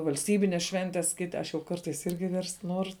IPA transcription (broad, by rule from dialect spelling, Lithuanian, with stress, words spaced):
ʋɐlʲsʲˈtʲiːbʲɪnʲɛs ˈʃʲʋʲɛnʲtʲɛs ˈkʲɪtʲɪ ˈɐʃ jɛʊ ˈkɐrtɐɪs ˈɪrʲɡʲɪ ʋʲɛrst ˈnuɔrʊ